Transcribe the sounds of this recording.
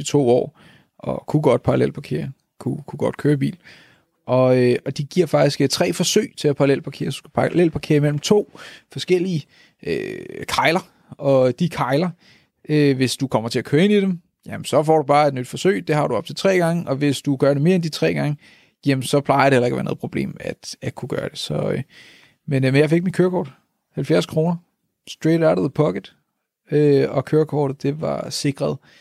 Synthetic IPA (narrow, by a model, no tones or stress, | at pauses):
it͡sʰo̝̰ːɒ̰ː | ʔɒ̽kʰuɡ̥ɒ̽d̥̚pʰɑʁɑlel̰pʰɑ̈kʰe̝̰ːɐ | kʰukʰuɡ̥ɒ̽d̥kʰøːɐb̥ḭːl | ʔɒ̽øɒ̽d̥iɡ̥iɐ̰fɑ̈ɡ̥̚isɡ̥t͡sʰʁɛ̰ːfɒ̽sø̰ɪt͡sʰe̝læpʰɑ̈ʁlel̰pʰɑ̈kʰe̝̰ːɐsu̥sɡ̥æpʰlel̰pʰɑ̈kʰe̝ːɐimel̰m̩t͡sʰo̝̰ːfɒ̽sɡ̥el̰iə | økʰɑ̈ɪlɐ | ɒ̽d̥ikʰɑ̈ɪlɐ | øʋe̝sd̥ukʰɒ̽m̰ɐt͡sʰe̝ækʰøːɐe̝nid̥em | jæmənsɒ̽fɒ̰ːd̥ub̥ɑ̈ːe̝d̥nyd̥fɒ̽sø̰ɪ̰d̥e̝hɑ̈ɾ̥uɒ̽b̥̚t͡sʰe̝lt͡sʰʁɛ̰ːɡ̥ɑ̈ŋəʔɒ̽ʋe̝sd̥uɡ̥ɶɐɾeme̝ːɐend̥it͡sʰʁɛ̰ːɡ̥ɑ̈ŋə | jemn̩sɒ̽pʰlɑ̈ɪɐdɾe̝hel̰ɐeɡ̥ɐʋæɐno̰ð̩ˠpʰʁob̥le̝̰ːmæd̥ækʰuɡ̥ɶːɐd̥e̝sɒ̽ø | menemnjɑ̈ɪfe̝ɡ̥̚minkʰøːɐkʰɒ̰ːd̥ | hælfjæɐskʰʁo̝ːnɐ | sd̥ʁeːɾaʊɾɒðəpʰɒ̽ɡ̥əd̥ | øɒ̽kʰøːɐkʰɒ̰ːɾ̥ð̩ˠd̥e̝ʋɑ̈se̝ɡ̥ʁɐð̞ˠ